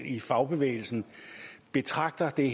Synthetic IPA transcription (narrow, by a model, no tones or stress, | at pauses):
n̰ifɑ̈ʊb̥e̝ʋḛɪl̩sn̩b̥e̝t͡sʰʁɑ̈ɡ̥̚d̥ɐd̥e̝